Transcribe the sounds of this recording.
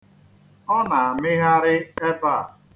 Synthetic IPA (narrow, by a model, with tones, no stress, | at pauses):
ɔ˦na˨a˨mɪ˦ɣa˦ɾɪ˦e˦ba˦˨